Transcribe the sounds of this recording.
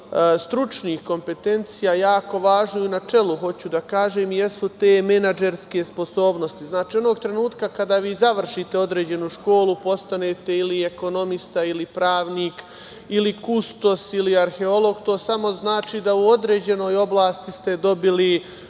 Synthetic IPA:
st̪ɾut͡ʃniːxko̞mpe̞t̪e̞nt̪sijajaːko̞ʋaːʒnoinat͡ʃe̞luɦo̞t͡ɕud̪akaːʒeːmjesut̪eːmenad͡ʒe̞ɾske̞spo̞so̞ːbno̞st̪iznaːt͡ʃiːo̞no̞ːɡt̪ɾe̞nuːt̪kakad̪aːʋiːzaʋr̩ʃit̪e̞o̞d̪ɾe̞ːd͡ʑe̞nuʃko̞ːlupo̞st̪ane̞ːt̪e̞ilieko̞no̞mist̪ailipɾaːʋniːk | ilikust̪o̞siliaɾxe̞o̞lˠo̞ɡt̪o̞ːsamo̞znaːt͡ʃiːd̪auo̞d̪ɾe̞ːd͡ʑe̞no̞ːjo̞blˠaːst̪ist̪e̞d̪o̞bili

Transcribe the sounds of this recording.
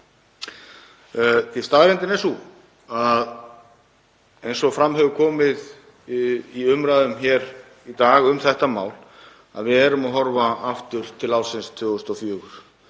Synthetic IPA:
θist̪aðɾɛnt̪ɪnɛsu | að | ejnsɔɣfɾamɦɛvʏkʰɔːmɪð | iʏmɾaːðʏmçɛɾ | it̪aːɣʏmθɛht̪amaːwl | a̰ðvɪðɛɾʏmaɦɔɾvaaft̪ʏɾ̥t̪ʰɪlaːwlsɪnst̪ʰvʏːɣʏst̪ɔfjœːɣʏɾ̥

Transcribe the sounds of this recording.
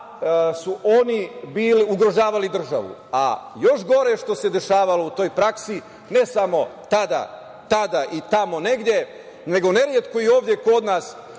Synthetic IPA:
suʔo̞nibiːliuɡɾo̞ʒaːʋalid̪r̩ʒa̰ʋṵa̰jo̞ʃɡo̞ɾe̞ʃt̪o̞se̞d̪e̞ʃaːʋalo̞ut̪o̞jpɾaksi | ne̞samo̞t̪ad̪a̰ | t̪ad̪aʔit̪amo̞ne̞ɡd̪je̞ | ne̞ɡo̞ne̞ɾjet̪koio̞ːʋd̪je̞ko̞d̪naːs

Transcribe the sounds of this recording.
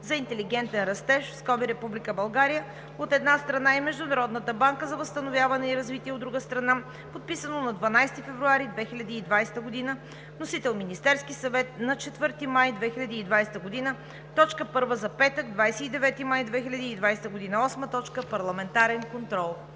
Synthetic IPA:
zɐint̪ɛliɡɛnt̪ɛnɾɐst̪ɛʃfskɔbiɾɛpublikəbɐlˠɡaɾijə | ot̪ɛd̪nast̪ɾɐnaɛmɛʒd̪ʊnɐɾɔd̪nət̪əbaŋkəzɐvəst̪ɐnovʲjavɐnɛiɾɐzvit̪iɛod̪ːɾuɡəst̪ɾɐna | pot̪̚pisənonɐd̪vɐnajst̪ifɛvɾuaɾid̪vɛxilʲɐd̪iːd̪vajst̪əɡod̪inə | nosit̪ɛlˠminist̪ɛɾskisɐvɛt̪̚nɐt͡ʃɛt̪vɤɾt̪imajd̪vɛxilʲɐd̪iːd̪vajsɛ̥t̪əɡod̪inə | t̪ɔt͡ʃkəpɤɾvəzɐpɛt̪əɡd̪vajsɛid̪ɛvɛt̪imajd̪vɛxilʲɐd̪iːd̪vajst̪əɡod̪inəɔsmət̪ɔt͡ʃkəpɐɾlˠɐmɛnt̪aɾɛnkont̪ɾɔlˠ

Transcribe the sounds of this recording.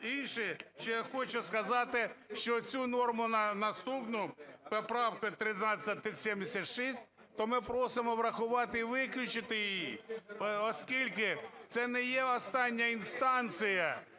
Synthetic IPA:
inʃɪʃt͡ʃɔjaxɔt͡ʃʊskɐzɑt̪ɪʃt͡ʃɔt͡sʲunɔrmʊnnɐst̪upnʊpepɾɑwkʊjt̪ɾɪnɑt͡sʲːɐt̪ɪsʲɛmd̪ɪsʲɐt̪ʃisʲt̚ʲ | t̪ɔmɪpɾɔsɪmɔʋɾɐxʊʋɑt̪ɪiʋɪklʲʊt͡ʃɪt̪ɪjɪjji | ɔskʲilʲkɪt̪sɛnɛjɛɔst̪ɑnʲːɐinst̪ɑnt͡ssʲɪjɐ

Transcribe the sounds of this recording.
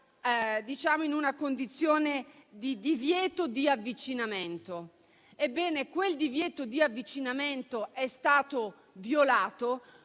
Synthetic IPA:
d̪it͡ʃaːmoinunakond̪it̪sːjoːned̪id̪ivjɛːt̪od̪iavːit͡ʃinament̪o | ebːɛːnekweld̪ivjɛːt̪od̪iavːit͡ʃinament̪oʔɛst̪aːt̪o | vjolaːt̪o

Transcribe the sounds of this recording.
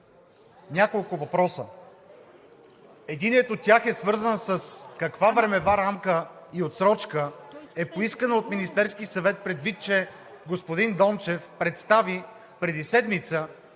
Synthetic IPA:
nʲakolˠkʊvɐpɾɔsə | ɛd̪inɛt̪ot̪t̪ʲːaxɛsvɤɾzənsəskɐkvavɾɛmɛvaɾamkəiot̪sɾɔt͡ʃkəɛpoiskənəot̪minist̪ɛɾskisɐvɛt̪̚pɾɛd̪vit̪̚t͡ʃɛ | ɡospod̪ind̪ɔmt͡ʃɛfpɾɛt̪st̪avi | pɾɛd̪isɛd̪mit̪sə

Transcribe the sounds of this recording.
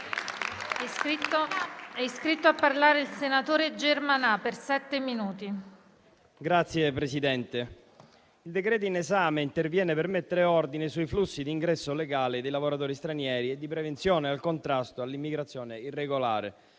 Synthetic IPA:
ɛiskɾit̪ːoapːarlaːɾeilsenat̪oːɾed͡ʒermanapersɛt̪ːeminuːt̪i | ɡɾat̪sːjepɾesid̪ɛnt̪e | ild̪ekɾɛːt̪oinezaːmeint̪ervjɛːnepermet̪ːeɾeɔrd̪inesuiflusːid̪iːŋɡɾɛsːoleɡaːlɪd̪ejlavoɾat̪oːɾist̪ɾanjɛːɾied̪ːipɾevent̪sjɔːnealkont̪ɾast̪oalːimːiɡɾat̪sːjɔːneirːeɡola̰ːɾḛ

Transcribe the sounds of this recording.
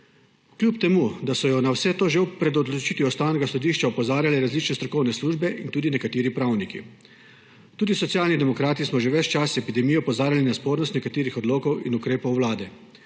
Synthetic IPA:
kljupt̪ɛmud̪asɔjɔnawsɛt̪oːʒewpɾɛd̪ɔd̪lɔt͡ʃit̪iɔst̪awnɛɡasɔd̪iːʃt͡ʃaɔpɔzaːɾjalɛɾazlit͡ʃnɛst̪ɾɔkɔwnɛsluʒbɛʔint̪uːd̪inɛkat̪iːɾipɾaːwnikḭ | t̪uːd̪isɔt̪sjaːlnid̪ɛmɔkɾaːt̪ismɔʒeʋɛt͡ʃt͡ʃasɛpid̪ɛmijɛɔpɔzaːɾjalinaspoːɾnɔst̪nɛkat̪eːɾixɔd̪loːkɔwinukɾeːpɔwːlaːd̪ɛ

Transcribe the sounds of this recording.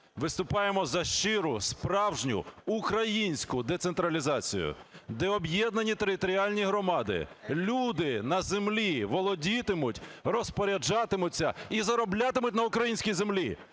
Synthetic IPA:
ʋɪst̪ʊpɑjemɔzɐʃt͡ʃɪɾʊspɾɑwʒnʲʊ̰ʊkɾɐjinʲsʲkʊd̪ɛt̪sent̪ɾɐlʲizɑt͡sʲḭjʊ̰d̪ɛɔbjɛd̪nɐnʲit̪eɾɪt̪ɔɾʲialʲnʲiɦɾɔmɑd̪ɪ̰lʲud̪ɪnɐzemlʲiʋɔlˠɔdʲit̪ɪmʊtʲrɔspɔɾʲɐd͡ʒɑt̪ɪmʊt͡sʲːɐ̰izɐɾɔblʲat̪ɪmʊtʲnɐʊkɾɐjinʲsʲkʲijzemlʲi

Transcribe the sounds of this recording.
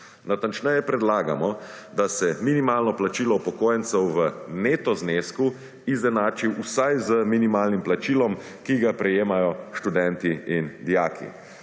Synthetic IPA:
nat̪ant͡ʃnɛjɛpɾɛd̪laːɡamɔ | d̪asɛminimaːlnɔplat͡ʃiːlɔupɔkoːjɛnt̪sɛwʋəneːt̪ɔzneːsku | izɛnaːt͡ʃiwusajzəminimaːlnimplat͡ʃilɔm | kiɡapɾɛjeːmajɔʃt̪ud̪ɛnt̪iind̪ijaːkʰḭ

